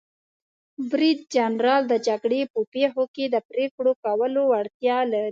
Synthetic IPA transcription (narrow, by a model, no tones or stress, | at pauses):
bɾid̪̚d͡ʒanɾɑld̪əd͡ʒaɡɽepəpexoked̪əpɾekɽokawəloaɽt̪jɑlaɾi